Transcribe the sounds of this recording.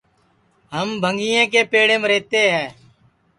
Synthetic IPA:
ɦəmbʱəŋɡiːẽːkeːpeːɽẽːmɾeːt̪eːɦɛː

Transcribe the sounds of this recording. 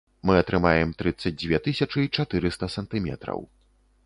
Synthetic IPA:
mɨɐt̪ɾɨmajɛmt̪ɾɨt̪sːɐd͡zʲd͡zʲvʲɛt̪ɨsʲɐt͡ʂɨit͡ʂat̪ɨɾɨst̪ɐsɐnt̪ɨmʲɛ̰t̪ɾɐ̰w

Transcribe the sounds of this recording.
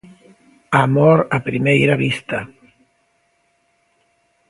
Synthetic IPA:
amoɾapɾimejɾaβist̪a

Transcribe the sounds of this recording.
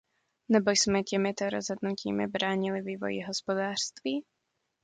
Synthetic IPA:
nɛbojsmɛcɛmɪt̪oɾo̰zɦod̪nucḭːmɪ̰bɾaːɲɪlɪviːvo̞̰jḭɦospodaːr̥st̪viː

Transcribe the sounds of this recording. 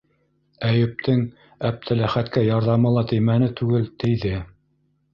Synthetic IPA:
æjɘ̆p̚t̪ʰɘŋ | æp̚t̪ʰɘlæχæt̪kæjɑɾðɑmɤ̆lˠɑt̪ɘ̆jmænɘt̪ʉɡɘlt̪ɘ̆jðɘ

